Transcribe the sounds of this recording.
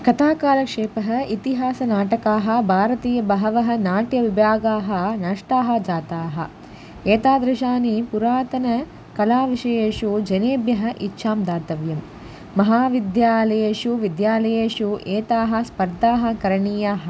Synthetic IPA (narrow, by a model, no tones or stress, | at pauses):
kɐt̪ʰaːkaːlɐkʂeːpɐɦɐ̆it̪iɦaːsɐnaːʈɐkaːɦɐ̆bʱaːɾɐt̪iːjɐbɐɦɐʋɐɦɐ̆naːʈjɐʋibʱjaːɡaːɦɐ̆nɐʂʈaːɦɐ̆d͡ʒaːt̪aːɦɐ̰̆ | eːt̪aːd̪ɾɪʃaːnipuɾaːt̪ɐnɐ | kɐlaːʋiʃɐjeːʃud͡ʒɐneːbjɐɦɐ̆ʔitːʃʰaːmd̪aːt̪ɐʋjɐmː | ɐɦaːʋid̪jaːlɐjeːʃuʋid̪jaːlɐjeːʃuʔeːt̪aːɦɐ̆spɐɾd̪ʱaːɦɐ̆kɐɾɐɳiːjaːɦɐ̆